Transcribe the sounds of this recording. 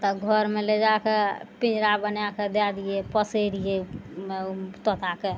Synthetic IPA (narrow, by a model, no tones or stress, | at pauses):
t̪ɔɡʱəɾmeled͡ʒakepĩd͡ʒɾabənjaked̪ad̪ijepəseɾijemet̪ɔt̪ʰake